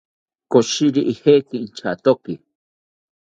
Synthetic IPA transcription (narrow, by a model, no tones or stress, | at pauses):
koʃiɾiʔihekiːnt͡ʃʰa̰t̪oki